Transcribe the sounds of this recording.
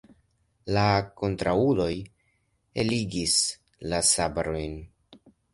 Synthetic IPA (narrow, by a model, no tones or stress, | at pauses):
lako̞ntɾaulo̞j | eliɡis | lasabaɾo̞jn